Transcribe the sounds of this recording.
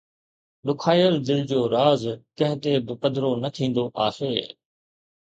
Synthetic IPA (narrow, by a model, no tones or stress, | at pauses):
ɗʊkʰaːjəld̪ɪld͡ʑoːɾaːzkɐɦɪt̪ebɪpəd̪ɾonɐt̪ʰĩːnd̪oʔaːheː